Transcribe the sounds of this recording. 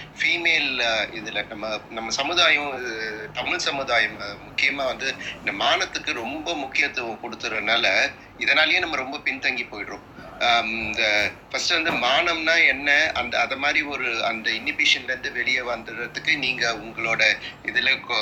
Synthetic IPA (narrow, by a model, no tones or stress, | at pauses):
fiːmeːlɪðɪlɐnɐmːɐnɐmːɐsɐmɯðaːjɐ̃ɪðt̪ɐmɪɭsɐmɯðaːjɐmmʊkːɪjɐmaːʋɐnd̪ɯɪnd̪ɐmaːnɐt̪ːɯkːɯɾɔmbɐmʊkːɪjɐt̪ːɯ̃kɔɽɯt̪ːɯɾɐðnaːlɐ | ɪðɐnaːlɐjẽːnɐmːɐɾɔmbɐpɪnt̪ɐŋɡipoːjʈɾõː | nd̪ɐfɐsʈːɯʋɐnd̪ɯmaːɳɐmnaːɛnːɐɐnd̪ɐɐðɐmaːd̪ɾiɔɾɯɐnd̪ɐɪnːɪpeːʂɐnlɐɾnd̪ɯʋɛɭɪjɐʋɐnd̪ɯɾɐt̪ːɯkːɯniːŋɡɐʊŋɡɐɭoːɽɐɪðɪlɐ